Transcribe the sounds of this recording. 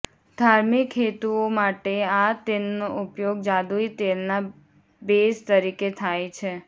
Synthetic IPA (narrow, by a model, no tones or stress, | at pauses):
d̪ʱaɾmikʰːet̪uomaʈeat̪ennoʔʊpjoɡ̚d͡ʒad̪uit̪elna | best̪əɾiket̪ʰajt͡ʃʰe